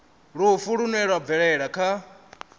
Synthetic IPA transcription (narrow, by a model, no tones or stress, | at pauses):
ɺufuɺunɛɺwab̪vɛɺɛɺakʰa